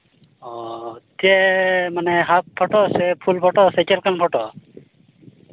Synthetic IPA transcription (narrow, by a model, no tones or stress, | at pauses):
ɔt̪ijɛmanɛɦap̚pʰɔʈɔsɛpʰulpʰɔʈɔsɛt͡ʃɛlkanpʰɔʈɔ